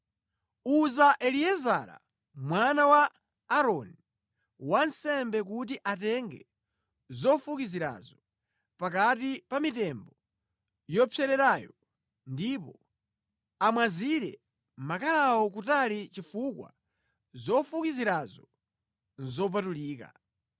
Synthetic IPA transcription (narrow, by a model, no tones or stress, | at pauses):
uzaʔɛliɛzaɾa̰ | mwanawaː | ɾɔni | wansɛmbɛkut̬iʔatɛŋɡɛ̰ | zɔfukiziɾa̰zɔ | pakatipamitɛmbɔ | jɔpʰjɛɾɛɾaːjɔ | ndipɔ | amwaziɾɛ̰ | makalawɔkutalit͡ʃifukwa̰ | zɔfukiziɾazɔ | nzɔp̬atuliːka̰